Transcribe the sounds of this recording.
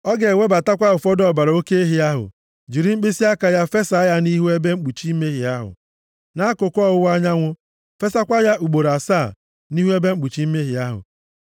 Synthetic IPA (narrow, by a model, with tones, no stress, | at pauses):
ɔ˦ɡe˨we˦ba˨ta˦kʷa˦ʊ˨fɔ˦dɔ˦˨ba˨ɾa˨o˦ke˦e˦ɦi˨a˦ɦʊ̰˨ | d͡ʒi˨ɾi˦ŋ͡m̩˦k͡pi˦si˦a˦ka˨ja˦fe˦sa˨a˦ja˦ni˦ɦu˦e˦be˦ŋ͡m̩˦k͡pu˨t͡ʃi˦me˦ɦi˨a˦ɦʊ̰˨ | na˦kʊ˨kʷɔ˦˨ʊ˦wa˦ɲa˦ŋʷʊ˦ | fe˦sa˦kʷa˦ja˦ʔu˨ɡ͡bo˨ɾa˨saː˦˨ | ni˦ɦu˦e˦be˦ŋ͡m̩˦k͡pu˨t͡ʃi˦me˦ɦi˨a˦ɦʊ̰˨